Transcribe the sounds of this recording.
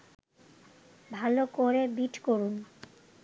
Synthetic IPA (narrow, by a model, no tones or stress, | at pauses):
bʱalokoɾebiʈkoɾun